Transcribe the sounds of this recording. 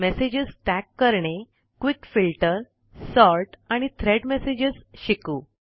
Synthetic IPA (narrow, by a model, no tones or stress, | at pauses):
mesed͡ʑisʈækːəɾɳe | kʋikfilʈəɾ | sɔɾʈaɽ̃it̪ʰɾeɽmesed͡ʑisɕikuː